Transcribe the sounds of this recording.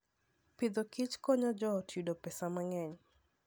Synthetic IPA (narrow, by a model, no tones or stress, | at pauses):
pid̪ɔkit͡ʃkɔɲad͡ʒɔtʰudopɛsamaŋɛɲ